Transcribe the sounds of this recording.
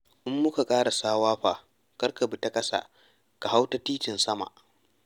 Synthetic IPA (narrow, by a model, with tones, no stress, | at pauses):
ʔɪ˦mːʊ˦ka˨kʼaː˦ɽa˨saː˦waː˦ɸaː˨ | kɐ˦rka˨bu˨ta˦kʼɐ˦sa̰ː˨ | ka˨ɦa˦wta˦tiː˦tɪ˨nsɐ˦ma̰˨ʔ